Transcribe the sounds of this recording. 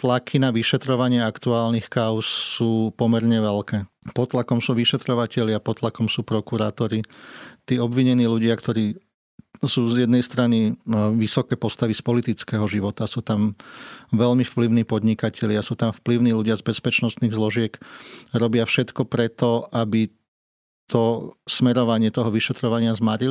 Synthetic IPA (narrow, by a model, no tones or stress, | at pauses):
t̪lakʰinaʋiʃɛt̪ɾɔʋaɲɪɛakt̪uaːlnixkaʊsːuːpɔmɛɾɲɛʋɛlkɛː | pɔt̪lakɔmsuːʋiʃɛt̪ɾɔʋacɛʎɪapɔt̪lakɔmsuːpɾɔkuɾaːt̪ɔɾit̪iːɔbʋiɲɛniːluɟɪakt̪ɔɾiː | suːzjɛd̪nɛjst̪ɾaniʋisɔkɛːpɔst̪aʋispɔlit̪it͡skɛːɦɔʒiʋɔt̪asuːt̪am | ʋɛʎmifpliʊniːpɔd̪ɲikacɛʎɪasuːt̪amfpliʊniːluɟɪazbɛspɛt͡ʃnɔst̪niːɣzlɔʒɪɛkɾɔbɪafʃɛt̪kɔpɾɛt̪ɔabi | t̪ʰɔsmɛɾɔʋaɲɪɛt̪ɔɦɔʋiʃɛt̪ɾɔʋaɲɪazmaɾil